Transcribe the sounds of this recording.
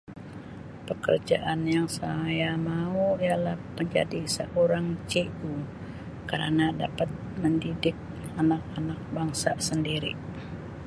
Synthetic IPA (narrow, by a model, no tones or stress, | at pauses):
pəkə̰rd͡ʒaʔanjaŋsajamauijalahpəɲd͡ʒa̰disəʔoɾaŋt͡ʃeu | kəɾə̰nada̰pat̪̚məndidɪk̚ | anak̚anak̚baŋsasəndiɾḭ